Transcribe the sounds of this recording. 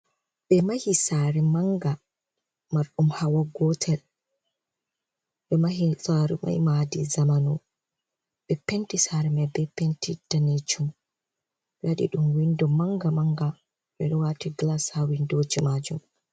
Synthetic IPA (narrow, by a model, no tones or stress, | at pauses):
ɓɛmahisaɾɛmaŋɡa | maɾɗumhawaɡɔtʰɛl | ɓɛmahisaɾɛ̰ma̰jmadizamanɔ | ɓɛpentisaɾɛmabɛpentid̥anet͡ʃum | ɓɛwaɗḭɗumwindɔmaŋɡamaŋɡa | ɓɛɗɔwatiɡlashawindoːd͡ʒimad͡ʒum